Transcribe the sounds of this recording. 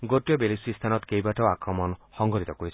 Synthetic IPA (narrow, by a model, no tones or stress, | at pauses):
ɡoʈjɔbelisist̪ʰanɔt̪kejbaʈʰaakɾɔmɔnxɔŋɡɔɾit̪ɔkoit͡ʃʰ